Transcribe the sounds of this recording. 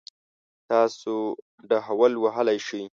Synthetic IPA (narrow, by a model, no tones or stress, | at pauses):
t̪ɑso | ɖəɦawəlwaɦəlajʃəj